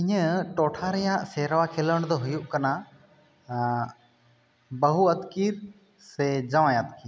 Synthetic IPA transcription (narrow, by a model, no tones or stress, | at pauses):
iɲəʈɔʈʰaɾɛjaʔsɛɾwakʰɛləɽ̃d̪ɔɦujuʔkana | bəɦuəd̪kiɾ | sɛd͡ʒawajad̪kiɾ